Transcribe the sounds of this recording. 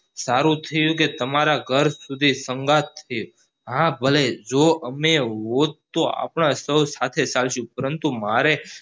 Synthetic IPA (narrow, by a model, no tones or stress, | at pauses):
saɾũt̪ʰəjũk̬et̪əmaɾaɡʱəɾsud̪ʱisəŋɡat̪ʰːəjũ | ɦãbʱəled͡ʒoəmeɦod̪̚t̪oa̰pɳasəwsat̪ʰet͡ʃalʃũpəɾənt̪umaɾe